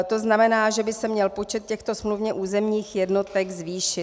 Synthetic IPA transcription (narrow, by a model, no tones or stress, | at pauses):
t̪o̞znamɛnaːʒɛbɪsɛmɲɛlpo̞t͡ʃɛt̪̚cɛxt̪o̞smluvɲɛʔuːzɛmɲiːxjɛdno̞t̪ɛɡzviːʃɪ